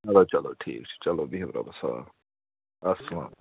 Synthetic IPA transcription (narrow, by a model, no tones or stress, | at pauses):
ɐloːt͡ʃɐloːʈʰḭːk̚t͡ʃʰi̥t͡ʃɐloːbiɦibɾɐ̰bɐsɐʋa̰ː | ɐsɐla̰m